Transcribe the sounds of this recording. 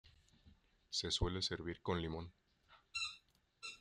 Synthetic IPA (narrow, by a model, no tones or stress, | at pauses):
se̞swe̞lese̞ɾβiɾko̞nlimõ̞n